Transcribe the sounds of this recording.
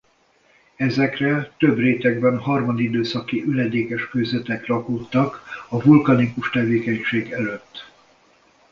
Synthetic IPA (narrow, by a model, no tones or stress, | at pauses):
ɛzɛkrɛt̪øbreːt̪ɛɡ̚bɛnɦɒrmɒd̪id̪øːsɒkiʔylɛd̪eːkɛʃkøːzɛt̪ɛklɒkut̪ːɒkɒvulkɒnikuʃt̪ɛveːkɛɲʃeːɡɛløt̪ː